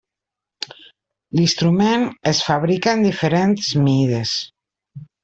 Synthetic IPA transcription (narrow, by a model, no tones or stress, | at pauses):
list̪ɾumenesfaβ̞ɾikaend̪ifeɾent̪zmiðes